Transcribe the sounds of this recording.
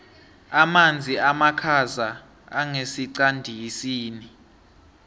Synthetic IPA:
amand͡zʱiamakʰazaː | ŋesiǀandʱisiːni

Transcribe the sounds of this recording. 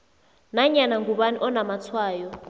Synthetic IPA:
naɲanaŋɡʱuɓanḭʔɔnamat͡sʰwaːjɔ

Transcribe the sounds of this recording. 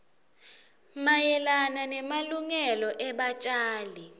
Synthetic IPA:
majɛlananɛmaluŋɛlɔʔɛɓat͡ʃʼaːli

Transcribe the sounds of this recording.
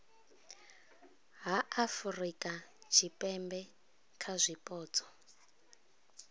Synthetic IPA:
ɦaafurikʼat͡ʃʰipʼɛmbɛ | kʰazʷipʼɔːt͡sʰʼɔ̥

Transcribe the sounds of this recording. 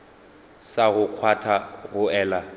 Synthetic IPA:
saɣʊq͡χʰwatʰaɣʊɛːla

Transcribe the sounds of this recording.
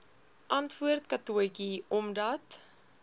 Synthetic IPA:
ʔɐntvuərtkɐtuəjkiɔmdɐt

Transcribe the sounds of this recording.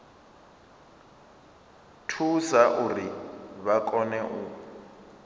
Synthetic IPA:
tʰusaʔuriβakʼɔnɛʔu

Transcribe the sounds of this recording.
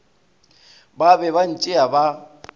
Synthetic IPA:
babɛβan̩t͡ʃʼɪaba

